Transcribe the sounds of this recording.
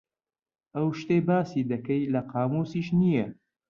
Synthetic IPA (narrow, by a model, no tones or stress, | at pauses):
ʔɐwʃt̪ebaːsiːd̪ɐkɐjlɐqʰaːmosiːʃnijɐ